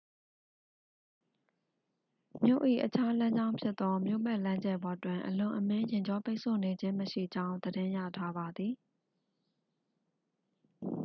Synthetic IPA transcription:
mjo̰˦˨ʔḭ˦˨ʔət͡ɕʰa˦lã˦ɲd͡ʑã˦ʊ̃pʰjɪ˦t̪t̪ːɔ˦mjo̰˦˨bɛ˦ʔlã˦ɲd͡ʑɛ˦˨bɔ˨twɪ̃˨ʔəlʊ̃˨ʔəmɪ̃˦jɪ̃˨ɲd͡ʑɔ˦pe˦ʔsʰo̰˦˨ne˨d͡ʑɪ̃˦məʃḭ˦˨d͡ʑã˦ʊ̃nd̪əɾɪ̃˦ja̰˦˨tʰa˦ba˨d̪ði˨

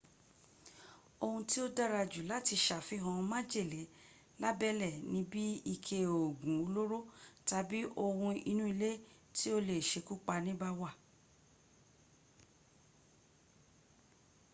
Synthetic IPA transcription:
o˧hũ˧ti˦o˦da˦ɾa˧d͡ʒu˨la˨˦ti˧ʃa˨fi˧˦ɦɔ̃˧mã˦d͡ʒe˦˨le˨˦ | la˦bɛ˦lɛ˦˨nĩ˨˦bi˦i˧˨kʰe˧˨o˨ɡũ˨˦o˧lo˦ɾo˦ta˧bi˦ʔo˧hũ˧ḭ˧nũ˦i˧le˦ | ti˦o˦le˨ʃe˧ku˦k͡pa˧nĩ˦ba˧wa˦˨

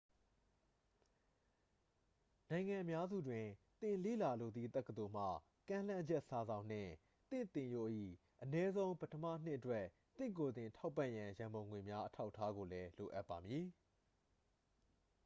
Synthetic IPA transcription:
nã˨ɪ̃ŋã˨ʔə˨mja˦zṵ˦˨dwɪ̃˨t̪ɪ̃˨lḛ˦˨la˨lo˨d̪ðḭ˦˨t̪ɛ˦ʔkːət̪o˨m̥a̰˦˨ | kã˦l̥ã˦d͡ʑɛ˦ʔsa˨zã˨ʊ̃n̥ɪ̰̃˦˨ | t̪ɪ̰̃˦˨t̪ɪ̃˨jo˦˨ʔḭ˦˨ | ʔənɛ˦zõ˦ʊ̃pətʰəmä̰˦˨n̥ɪ̰̃˦ʔətwɛ˦ʔ | t̪ɪ̰̃˦˨ko˨d̪ɪ̃˨tʰa˦ʊpːã̰˦˨jã˨jã˨mbõ˨ʊ̃ŋwe˨mja˦ʔətʰa˦ʊʔtʰːa˦ɡo˨lɛ˦lo˨ʔa˦ʔpːa˨mji˨

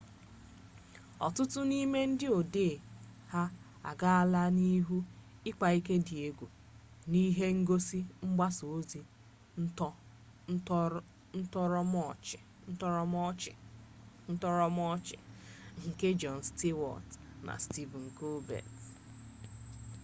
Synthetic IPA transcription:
ɔ̰˨tʊ˦tʊ˦ni˦me˦n̩˦dɪ˦o˨de˦˨ha˦ | a̰˨ɡa˦a˦la˦ni˦ɦu˦ɪ˦ka˨i˦ke˦di˨e˦ɡʷu˨ | ni˦ɦe˦ŋ̩˦ɡo˦si˦ŋ͡m̩˦ɡ͡ba˦so˨˦zi˨˦ | n̩˦tɔ˦ɾɔ˦˨ | n̩˦tɔ˦ɾɔ˦˨ | n̩˦tɔ˦ɾɔ˦mɔ˦t͡ʃɪ̰˨ŋ̩˨ke˦d͡ʒɔ˨n̩˨sti˦wɔ̰˨tna̰˨sti˦vŋ̩˨ko˦bɛ̰˨t

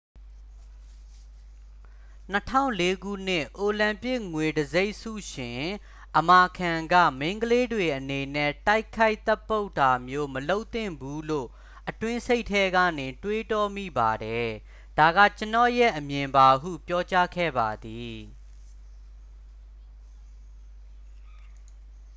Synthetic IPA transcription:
n̥ə˦tʰã̰˦˨ʊ̃le˦ɡṵ˦˨n̥ɪ˦˨ʔo˨lã˨mpɪ˦ʔŋwe˨dəze˦ɪʔsṵ˦˨ʃɪ̃˨ | ʔəma˨kʰã˨ŋɡä̰˦˨meɪ̃˦ŋɡəle˦dwe˨ʔəne˨nɛ˦˨ta˦ɪkʰa˦ɪʔt̪ɛ˦pːo˦ʊta˨mjo˦məlo˦ʊʔt̪ɪ̰̃˦˨mbu˦lo̰˦˨ | ʔətwɪ̃˦sʰe˦ɪʔtʰːɛ˦ɡä̰˦˨nɪ˨twe˦tɔ˦mḭ˦˨ba˨ɾɛ˨ | d̥a˨ɡa̰˦˨t͡ɕə˦nɔ̰˦˨jɛ˦˨ʔəmjɪ̃˨mba˨ɦṵ˦˨pjɔ˦t͡ɕa˦kʰɛ̰˦˨ba˨d̪i˨

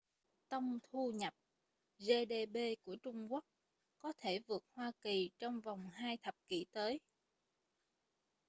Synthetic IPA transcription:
t̪ə˧wŋ͡mt̪ʰu˧ɲə˨˩p̚ | ze˧ɗe˧ɓe˧ku˧˩ət͡ɕʊ˧ŋ͡mku˦˥ək̚ | kɔ˨˦t̪ʰe˧˩vɨ˨˩ək̚hwaː˧ki˨˩t͡ɕɔ˧wŋ͡mva˨˩wŋ͡mhaː˧jt̪ʰə˨˩p̚kḭ˧˩t̪əː˨˦j

